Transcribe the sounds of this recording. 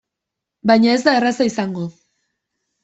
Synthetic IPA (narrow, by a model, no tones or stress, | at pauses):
bajɲaezðarasaisaŋɡo